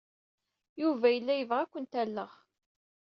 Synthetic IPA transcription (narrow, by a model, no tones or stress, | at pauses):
juvæjəlːæjəvʁækʷːənt̪ælːəʁ